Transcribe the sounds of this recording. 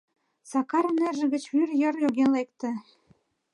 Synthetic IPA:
sɑkɑɾnerʒə̆ɣə̆t͡ɕβyrjɤ̆rjoɣenlek̚t̪ĕ

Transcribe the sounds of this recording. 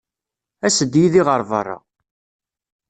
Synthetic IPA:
æsəd̪jiðiʁəɾˤvə̰rˤːɑ̰

